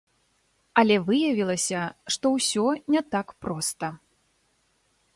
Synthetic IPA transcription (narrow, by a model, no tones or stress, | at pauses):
ɐlʲɛvɨjɐvʲilˠɐsʲɐʂt̪ɔwsʲɔnʲɛt̪akpɾɔst̪ɐ